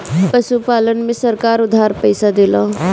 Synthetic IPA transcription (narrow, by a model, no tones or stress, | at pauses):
pəʃupaːlənmẽsəɾkaːɾʊd̪ʱaːɾpəɪsad̪elãː